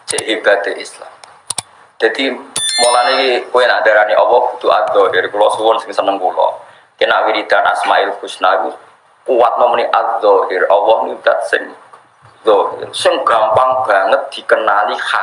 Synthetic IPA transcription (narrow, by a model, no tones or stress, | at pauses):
seɦibat̪eʔisla̰m | d͡ʒ̥ad̪imɔlanikikojɛnad̪aɾaniʔɔwɔhɡud̪uʔa̰zɔɦiɾkulɔsuwɔnsɪmsanːəŋkulɔ̰ | kɛnawiɾid̪anʔa̰smaʔilkuʃnaki | kuwat̪̚nɔməniʔazɔɦiɾɔwɔhnid̪a̰t̪sɛ̰ŋ | zɔɦɪ̰ɾsəŋɡampaŋb̥aŋət̪̚d̪ikənalixa